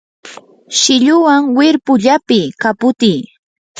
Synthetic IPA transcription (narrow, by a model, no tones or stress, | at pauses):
ʃɪʎʊwaŋwɪɾpʊʎapɪkapʊt̪iː